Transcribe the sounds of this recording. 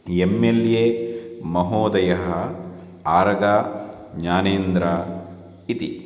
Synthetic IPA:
emːeljemɐɦoːd̪ɐjɐɦɐ | aːɾɐɡaː | ɲaːneːnd̪ɾaː | it̪i

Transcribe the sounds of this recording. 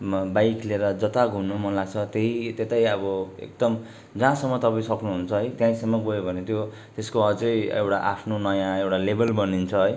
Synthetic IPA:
bajkleɾʌd͡zʌt̪aɡʱumnumʌnlaɡt͡sʰʌt̪eɦit̪et̪ajʌbʌḛk̚d̪ʌm | d͡zãsʌmːʌt̪ʌpaĩsʌknuɦunt͡sʰʌɦʌjt̪jãĩsemʌbojobʱʌnet̪jo | t̪eskoʌt͡sʌjḛwʈaʔapʰnonʌjãewʈalebʌlbʌnint͡sʰʌɦʌj

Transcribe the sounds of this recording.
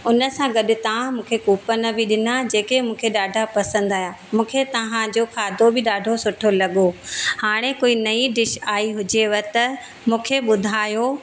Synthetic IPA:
ʊnə̆sãɡɐɗʊt̪ɐʋ̤ãmũːkʰekuːpənɐbiɗɪnad͡ʑeːkemũːkʰeɗaːɖʱapɐsə̃nd̪aːjaː | mũːkʰet̪ɐʋãd͡ʑoːkʰaːd̪ʱobɪɗaːɖʱosʊʈʰolɐɠohaːɽ̃ekoːinɐiɖɪʃaːiɦʊd͡ʑeʋɐt̪ɐ | mũːkʰeɓʊd̪ʱaːjo

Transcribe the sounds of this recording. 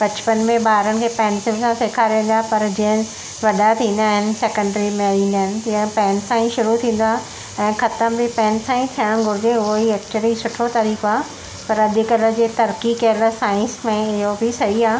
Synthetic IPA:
bɐt͡ɕpənmẽɓaːɦɾəñɪ̆kʰeːpɛ̃ːnsɪlsãseːkʰaɾiʋə̃nd̪aɦpɐɾd͡ʑiə̃ | ʋɐɗat̪ʰĩːn̆d̪aːɦɪnɪ̆seːkə̃ɳɖɾimeliːndəɦɪnɪ̆t̪ɐə̃pɛ̃ːnsãĩʃʊɾut̪ʰĩːn̆d̪aːɦ | ɛ̃ːxɐt̪əmbɪpɛ̃ːnsãĩt̪ʰijəɽ̃ɡʱʊɾɪd͡ʑeʊɦoɦiɛːk̚t͡ɕuəlisʊʈʰot̪aːɾiːkoaːɦ | pɐɾɐd̪ʱɪkɐlə̆d͡ʑeːt̪ɐɾkikɛːləsaːɪ̃nsmẽɪɦobʱɪsɐɦiaːɦ

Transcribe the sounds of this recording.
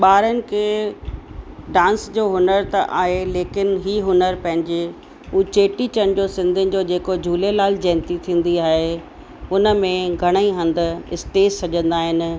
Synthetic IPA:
ɓaːɾənɪ̆kʰeː | ɖãːnsd͡ʑoːɦʊnəɾt̪ɐʔaːɦeleːkɪnɦiːɦʊnəɾpɐ̃ɦɪ̃ɲd͡ʑe | uːt͡ɕeːʈit͡ɕəñ̆d͡ʑoːsɪ̃nd̪ʱɪnɪ̆d͡ʑoːd͡ʑeːkod͡ʑʱuːlelaːld͡ʑɛ̃ːnt̪it̪ʰĩːn̆d̪iaːɦe | ʊnə̆mẽɡʱɐɽ̃əiɦɐ̃nd̪ʊ̆ɪ̰st̪eːssɐʄə̃nd̪aːɦɪn̆

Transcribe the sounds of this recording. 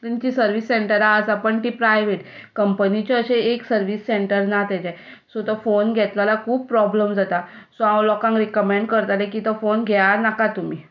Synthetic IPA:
t̪ənt͡ɕisəɾʋisːeɳʈəɾaəsapəɳʈ̪ipɾajʋeʈkəmpənit͡ɕɔəɕeeksəɾʋisːeɳʈəɾnat̪ɛt͡ɕɛ | sot̪əfonɡʱɛt̪lalakʰuːb̚pɾɔbləmd͡zat̪asoãwlɔkãŋkɾikəmẽɳɖkəɾt̪alɛkit̪əfonɡʱɛaɾnakat̪umi

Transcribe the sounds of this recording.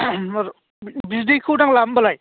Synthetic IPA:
bizdikʰɯwdaŋlambalaj

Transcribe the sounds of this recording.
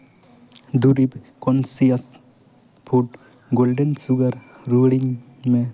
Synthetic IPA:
d̪uɾib | kɔnsias | pʰuʈ | ɡolɖənsuɡɐɾ | ɾuɽiŋ | me

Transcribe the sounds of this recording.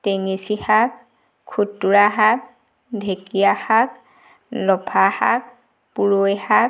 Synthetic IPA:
teŋisixak̚ | kʰːutːuɹaɦak̚ | dʱekijaxak | lɔpʰaha̰k̚ | puɹojhak

